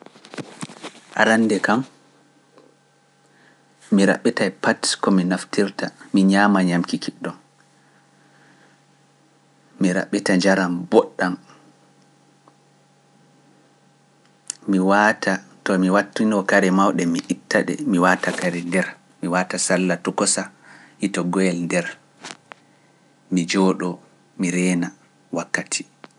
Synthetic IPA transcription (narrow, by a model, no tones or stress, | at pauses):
ʔa̰ɾanːdɛkam | iɾa̰ɓːitajpatkɔminaftiɾtamiɲaːmaɲamkikʰiɗːɔm | miɾa̰ɓːitad͡ʒaɾambɔɗːam | miwatatɔmiwatːinɔkaɾɛmawɗɛmiʔitːaɗɛ̰miwatakaɾɛndɛɾ | miwatasalːatɔkɔsahitɔɡɔjɛlndɛɾ | mid͡ʒɔɗɔ | miɾɛːna | wakːatʰi̥